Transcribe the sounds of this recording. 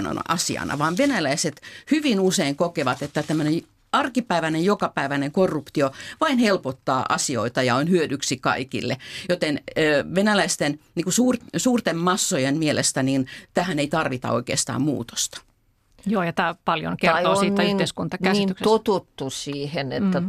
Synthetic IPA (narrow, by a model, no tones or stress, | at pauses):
no̰nɑ̰sḭɑ̰nʔɑ̰ʋɑːnʋenælæiset̪hyʋinuseiŋkokeʋɑt̪et̪ːæt̪æmːønej | ɑrkipæiʋænejjokɑpæiʋæneŋkorːupt̪ioʋɑinhelpot̪ːɑ̰ːʔɑsio̰it̪ɑjɑonhyødyksikɑ̰ikḭlːḛjot̪enːʋenælæist̪enniŋkusuːrsuːrt̪emmɑsːojemmielest̪ænint̪æhæneit̪ɑrʋit̪ɑ̰o̰ikḛːˑst̪ɑ̰ːmmṵːt̪o̥st̪ɑ̥ | joːjɑt̪æːpɑljo̰nkerioːsiːiieskunt̪ɑkæyksot̪ut̪ːusiːhenḛt̪ːæ